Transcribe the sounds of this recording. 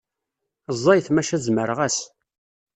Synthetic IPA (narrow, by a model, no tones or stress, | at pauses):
zˤːɑjθmæʃæzməɾəʁæs